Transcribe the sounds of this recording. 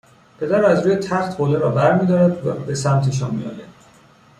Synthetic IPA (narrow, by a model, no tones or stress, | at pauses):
pʰe̞d̪æɾæzɾuːjet̪ʰæxt̪hoːleɾɒːbæɾmiːd̪ɒːɾæd̪væbe̞sæmt̪ʰeʃ̬ɒːnmmḭjɒ̰ːjæ̰d̪̥